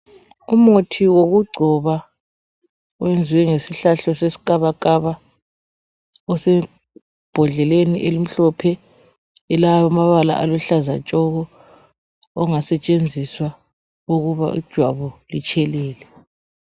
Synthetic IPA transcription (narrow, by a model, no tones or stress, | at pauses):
umotʰiwoɣuɡ͡ǀʱɔβa | ɔwend͡zʱiwɛŋesiɬaɬɔsesi̥kʼaβakʼaβa | ɔsɛ | b̥ʱɔɮɛleniʔelim̩ɬɔpʰɛ | ɛlaaamaβala̰ʔalɔɬazat͡ʃʼɔɣɔ | ɔŋasɛt͡ʃʼend͡zʱiswa | uɣuβa̰ʔḭd̥ʒ̥ʱwaβɔlit͡ʃʼʰɛlɛːlɛ